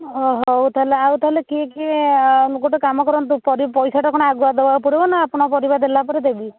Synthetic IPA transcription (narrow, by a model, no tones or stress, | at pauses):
ɔɦɔwt̪ʰaɦleawt̪ʰaɦlekiekielokoʈekamɔkɔɾɔnt̪upɔɾipɔjsaʈakɔɽ̃ɔaɡuad̪ebapuɽibɔnaːpɔɽ̃ɔpɔɾibad̪elapɔɾed̪ebi